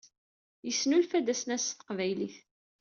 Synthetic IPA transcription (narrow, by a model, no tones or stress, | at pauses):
jəsːnulfæd̪æsnæsə̥qvæjliθ